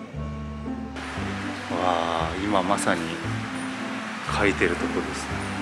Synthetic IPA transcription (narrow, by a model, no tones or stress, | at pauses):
βaːimamasaɲ̟i | kʰait̪e̞ɾɯ̟t̪o̞kod̪e̞sɨ̥